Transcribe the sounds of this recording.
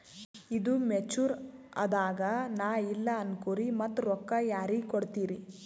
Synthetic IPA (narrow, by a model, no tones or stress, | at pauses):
id̪umet͡ʃuːɾɐ̰d̪aːɡɐnaːilːɐɐnkuːɾimɐt̪ːɾɔkːɐjaːɾiɡkoɽt̪iːɾi